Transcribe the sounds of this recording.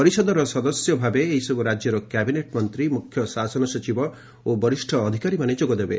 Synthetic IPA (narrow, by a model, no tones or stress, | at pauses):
pɔɾisɔd̪ɔɾɔsɔd̪ɔsjɔbʱabeːisɔbuɾad͡ʒjɔɾɔkɛbineʈmɔnt̪ɾimukʰjɔsasɔnɔsɔt͡ʃibɔ | obɔɾisʈʰɔːd̪ʱikaɾimaned͡ʒoɡɔd̪ebe